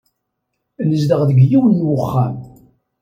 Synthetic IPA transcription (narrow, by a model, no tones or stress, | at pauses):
nəzd̪əʁðəɡjiwənːwəχːæm